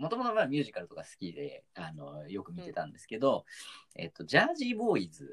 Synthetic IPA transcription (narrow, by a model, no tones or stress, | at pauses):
mo̞t̪o̞mo̞t̪o̞maːmʲɨ̟ːʑikaɾɯ̟t̪o̞kasɨ̥kʲid̪e̞̰ano̞jo̞kɯ̟mʲit̪e̞t̪ã̰nd̪e̞sɨ̥ke̞d̪o̞e̞̰t̪ːo̞d͡ʑaːʑiːbo̞ːid͡zɨ